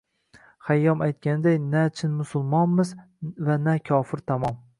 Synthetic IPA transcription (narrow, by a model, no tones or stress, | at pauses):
χajːɒmajt̪̚kʲanɪd̪ajnat͡ʃʰɪnmʊsʊlˠmɒnmɪz | vanakʲʰɒːfɪɾt̪ʰamɒm